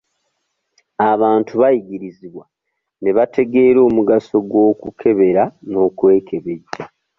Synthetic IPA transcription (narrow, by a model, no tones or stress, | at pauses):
aβaːntʰuβajiɡiɾiziβwa | ne̞βatʰe̞ɡe̞ːɾo̞ːmuɡaso̞ɡwo̞ːkukʰe̞βe̞ɾano̞ːkwe̞ːkʰe̞βe̞ɟːa